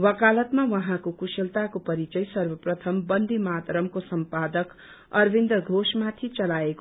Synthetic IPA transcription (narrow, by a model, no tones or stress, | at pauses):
wʌkalʌt̪mawʌɦãkokuselt̪akopʌɾit͡sʌjsʌrbʌprʌt̪ʰʌmbʌnd̪ʱimat̪ɾʌmkosʌmpad̪ʌk | ʌrbʱind̪ʌɡʱosmat̪ʰit͡sʌlaeko